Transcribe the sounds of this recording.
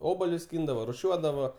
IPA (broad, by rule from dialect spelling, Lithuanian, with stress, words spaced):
ˈoːbɐlʲʊs ˈsʲkʲiːndɐʋoː rʊˈʃʲuɔdɐʋoː